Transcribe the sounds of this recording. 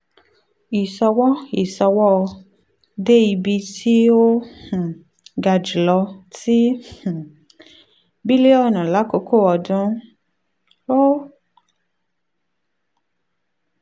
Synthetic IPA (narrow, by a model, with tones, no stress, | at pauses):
i˨sɔ˧wɔ˦i˨sɔ˧wɔ˦˧ | de˦i˧bi˧ti˦o˦h̩˨ | ɡa˧d͡ʒi˨lɔ˧tĩ˦˨ | bi˦le˦ɔ˦˨nũ˨la˨˦ko˧˦ko˦˨ɔ˨dũ˧˦ | o˦